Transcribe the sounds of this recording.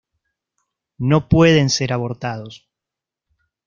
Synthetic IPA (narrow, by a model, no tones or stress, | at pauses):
no̞pweð̞e̞nse̞ɾaβo̞ɾt̪að̞o̞s